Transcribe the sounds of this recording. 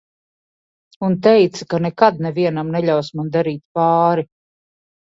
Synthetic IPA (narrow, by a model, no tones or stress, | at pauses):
unt̪̬ɛjt̪sakanɛkad̪nɛviɛnamnɛʎʲawsmand̪aɾiːt̪̚paːɾi